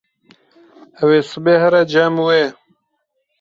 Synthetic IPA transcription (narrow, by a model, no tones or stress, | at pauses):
awesbehaɾad͡ʒamwe